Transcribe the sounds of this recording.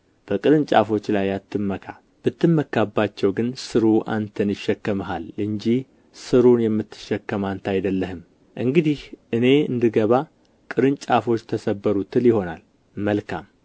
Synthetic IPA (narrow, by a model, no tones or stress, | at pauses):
b̥əkʼɨɾɨnt͡ʃʼa̰fo̞t͡ʃːlajːat̪ʰːɨmːəkʰa | b̥ɨt̪ːɨmːəkʰːabːat͡ʃːɛwɡɨnsɨɾuʔa̰nt̪ʰənjɪʃːɛkːəmɦalɨɲd͡ʒih | sɨɾunjɛmːɨt̪ːɨ̥ʃːɛkːəmant̪ʰajd̪əlːəhɨm | ʔɨŋɡɨd̪ihʔɨne̞ɨ̰nd̪ɨɡəβa | kʼɨɾɨnt͡ʃʼafo̞t͡ʃːt̪ʰəsəbːəɾut̪ʰɨljɪho̞na̰l | məlkʰa̰m